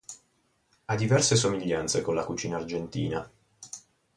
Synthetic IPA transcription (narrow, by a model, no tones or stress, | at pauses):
ad̪ːivɛrsesomiʎːant̪sekonlakut͡ʃiːnaːrd͡ʒent̪ḭːna̰